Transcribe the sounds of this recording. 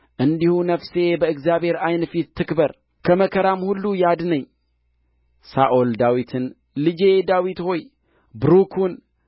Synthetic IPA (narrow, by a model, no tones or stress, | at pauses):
ʔɨnd̪ihunəfse̞bəɨkzjabhe̞ɾajnfit̪ːɨkbəɾ | kʰəməkʰəɾamhulːujad̪nəɲː | saʔold̪awit̪ʰɨn | lɨd͡ʒed̪awit̪ho̞j | bɾukʰun